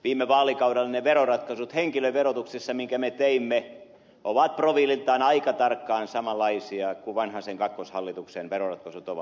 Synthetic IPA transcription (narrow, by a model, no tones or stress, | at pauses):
ʋiːmeʋɑːlikɑudɑlːeneʋeɾorɑt̪kɑsut̪heŋkiløiʋerot̪uksisːɑmiŋkæmet̪eimːe | ʔoʋɑt̪̚proʋiːlilt̪ɑːnɑikɑt̪ɑrkːɑːnsɑmɑlːɑisiɑkuʋɑnhɑseŋkɑkːoshɑlːit̪uksenʋerorɑt̪kɑsut̪oʋɑ̰